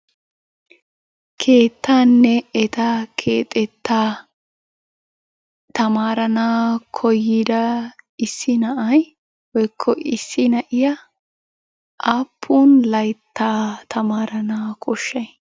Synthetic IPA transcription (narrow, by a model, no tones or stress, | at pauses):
kʰeːt̪ːaːnːɛɛt̪akʰeːt̪ʼɛt̪ːaː | t̪ɐmaːɾɐnaːkʰɔjːɪd̪ɐɪsːɪnɐʔɐj | wɔjkʰːɔʔɪsːɪnɐʔɪjɐ | ʔaːpʰːuːnlɐjt̪ʰːaːt̪ʰɐmaːɾɐnaːkʰʼɔʃːɐj